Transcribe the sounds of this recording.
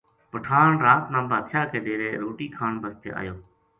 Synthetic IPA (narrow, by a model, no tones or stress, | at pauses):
pəʈʰaːɳɾaːt̪nãːbaːd̪ʃaːkeːɗeːɾeːɾoːʈiːkʰaːnbəst̪ḛːa̰ːjoː